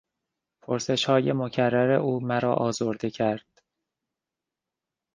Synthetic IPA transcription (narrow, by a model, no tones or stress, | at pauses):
pʰoɾse̞ʃhɒːje̞mocʰærːæɾeʔuːmæɾɒ̰ːʔɒːzoɾd̪ecʰæɾd̪̥